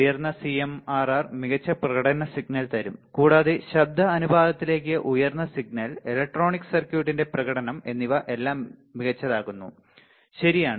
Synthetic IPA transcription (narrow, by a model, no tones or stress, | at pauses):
jɐrnːɐsiemaːraːrmiɣɐt͡ɕːɐprɐɣɐɽɐnɐsiɡnɐlt̪ɐɾumkuːɽaːðeɕɐb̚d̪ʱɐɐnubaːd̪ɐt̪ːile̞ːk̬ːɨʔujɐrnːɐsiɡ̚nɐlelɐk̚ʈro̞ːɳikːsɐrkjuːʈːinde̞prɐɣɐɽɐnɐme̞nːiʋɐʔe̞lːaːmːiɣɐt͡ɕːɐðaːɣunːu | ɕɐɾijaːɳɨ